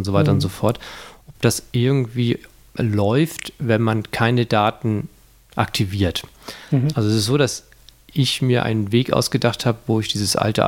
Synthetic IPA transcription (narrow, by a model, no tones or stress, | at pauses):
ʊntz̥ovaɪtɐʊntz̥ofɔɐtʔɔp̚d̥asʔɪɐɡŋ̩tv̥iː | lɔʏftvɛnmankʰaɪnədaːtn̩ | ʔa̰k̚tʰiviːɐtʔalzoɛsɪstz̥oːdas | ʔɪçmiːɐʔa̰ɪnənveːkʔa̰ʊsɡ̥ədaχthaːbəvoːɪçd̥iːzəsʔa̰ltə̰